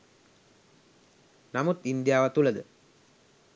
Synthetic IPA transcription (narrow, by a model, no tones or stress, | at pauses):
nɐmut̪ind̪jaːʋɐt̪ulɐd̪ə